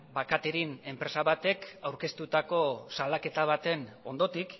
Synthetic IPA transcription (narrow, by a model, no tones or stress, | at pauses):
bakat̪eɾine̞mpɾe̞saβat̪e̞kawɾke̞st̪ut̪ako̞salake̞t̪aβ̞at̪e̞no̞̰nd̪o̞t̪ik